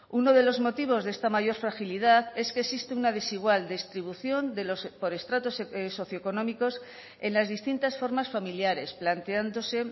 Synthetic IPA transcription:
uno̞ðe̞lo̞zmo̞t̪iβ̞o̞zðe̞st̪amaʝo̞ɾfɾaxiliðaθe̞ske̞sist̪eunað̞e̞siɣ̞wald̪est̪ɾiβuθjo̞nd̪e̞lo̞spo̞ɾe̞st̪ɾat̪o̞sso̞θjoeko̞nõmiko̞s | e̞nlazðist̪int̪asfo̞ɾmasfamiljaɾe̞splant̪e̞and̪o̞se̞

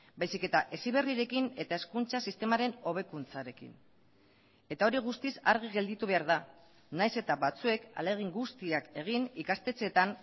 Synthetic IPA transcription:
bajsike̞t̪aʔe̞siβ̞e̞riɾe̞kine̞t̪ae̞skunt͡sasist̪e̞maɾe̞no̞β̞e̞kunt͡saɾe̞kḭn | e̞t̪ao̞ɾiɣ̞ust̪isa̰ɾɣiɣe̞ld̪it̪uβ̞e̞aɾða | najse̞t̪aβat͡sue̞ka̰le̞ɣ̞iŋɡust̪iake̞ɣ̞inikast̪e̞t͡se̞t̪an

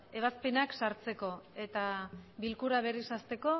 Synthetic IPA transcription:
e̞β̞aspe̞naksaɾt͡se̞ko̞e̞t̪aβilkuɾaβ̞e̞risast̪e̞ko̞

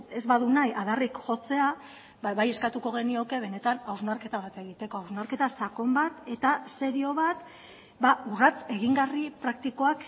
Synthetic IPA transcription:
e̞zβaðunajʔaðarikʝo̞t͡se̞a | aβaje̞skat̪uko̞ɣ̞e̞nio̞ke̞β̞e̞ne̞t̪anawznaɾke̞t̪aβ̞at̪e̞ɣ̞it̪e̞ko̞awznaɾke̞t̪asako̞mbat̪e̞t̪ase̞ɾio̞βat̪ | baurat͡se̞ɣiŋɡaripɾak̚t̪iko̞ak

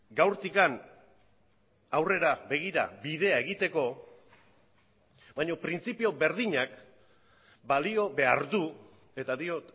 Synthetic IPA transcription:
ɡawɾt̪ikan | awre̞ɾabe̞ɣiɾa̰biðe̞ae̞ɣit̪e̞ko̞ | baɲo̞pɾint͡sipio̞be̞ɾðiɲak | balio̞βe̞a̰ɾðu | e̞t̪aðio̞t̪

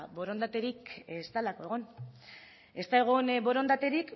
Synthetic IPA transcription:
bo̞ɾo̞nd̪at̪e̞ɾikest̪alako̞e̞ɣ̞on | e̞st̪aeɣ̞unbo̞ɾo̞nd̪at̪e̞ɾik

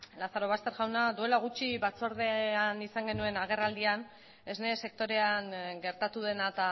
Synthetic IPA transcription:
laθaɾo̞β̞ast̪e̞ɾɣawnad̪ue̞laɣ̞ut͡ʃiβat͡so̞ɾð̞e̞anisaŋɡe̞nue̞naɣ̞e̞rald̪ian | e̞zne̞se̞k̚t̪o̞ɾe̞aŋɡe̞ɾt̪at̪uðe̞nat̪a

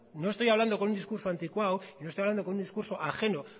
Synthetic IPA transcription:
no̞est̪o̞jaβland̪okonund̪iskuɾsoant̪ikwawino̞st̪ojaβland̪ok̬ound̪iskuɾso̞ʔaxe̞no̞

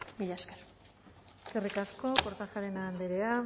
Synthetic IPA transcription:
miʎaskeɾ | eskerikasko̞koɾt̪axaɾe̞nand̪eɾea

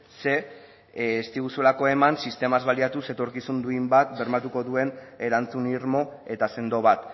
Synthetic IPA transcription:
se̞ː | st̪iɣusulako̞e̞mansist̪e̞mazβaliat̪use̞t̪o̞ɾkisund̪uimbat̪be̞ɾmat̪uko̞ðue̞ne̞ɾant͡suniɾmo̞e̞t̪ase̞nd̪o̞β̞at̪

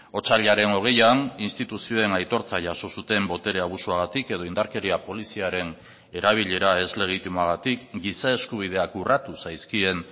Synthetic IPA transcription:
o̞t͡saʎaɾe̞no̞ɣ̞e̞janinst̪it̪usio̞e̞najt̪o̞ɾt͡saʝaso̞sut̪e̞mbo̞t̪e̞ɾe̞aβ̞usuaɣat̪ike̞ð̞o̞ind̪aɾke̞ɾiapo̞lisiaɾe̞n | e̞ɾaβ̞iʎe̞ɾae̞zle̞ɣ̞it̪imoaɣ̞at̪ikɡisae̞skuβ̞ið̞e̞akurat̪usajskie̞n

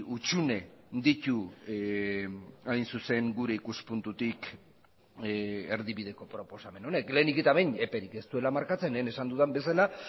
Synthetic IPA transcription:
ut͡ʃune̞d̪it̪u | ajnsuse̞ŋɡuɾe̞ikuspunt̪ut̪ik | eɾðiβið̞e̞ko̞pɾo̞po̞same̞no̞ne̞kle̞ːnikit̪aβejne̞pe̞ɾike̞st̪ue̞lamaɾkat͡se̞nene̞sand̪uðambe̞sala

